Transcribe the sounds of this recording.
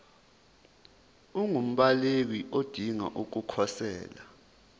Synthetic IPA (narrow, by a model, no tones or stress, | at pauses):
uŋum̩ɓalekiʔod̥ʱiŋa̰ʔuk̬ukʰɔsɛ̰ːla